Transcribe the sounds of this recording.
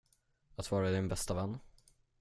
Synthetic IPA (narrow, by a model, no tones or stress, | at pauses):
at̪vɑːɾad̪ɪnbɛst̪avɛnː